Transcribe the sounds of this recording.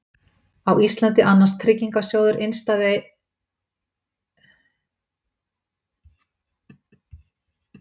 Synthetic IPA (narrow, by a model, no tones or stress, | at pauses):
awist̪lant̪ɪʔanːanst̪ʰɾɪcːiŋkasjoːwðʏɾʔejnst̪að